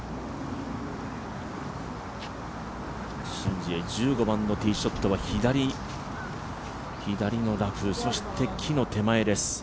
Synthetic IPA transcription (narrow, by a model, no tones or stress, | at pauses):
ɕĩɲ̟d͡ʑied͡ʑɨːɡo̞bãnːo̞t̪ʲiːɕo̞t̪ːo̞βaçid̪aɾʲi | çid̪aɾʲino̞ɾakɯ̟so̞ɕi̥t̪ʰe̞kʲʰino̞t̪e̞mae̞d̪e̞sɨ̥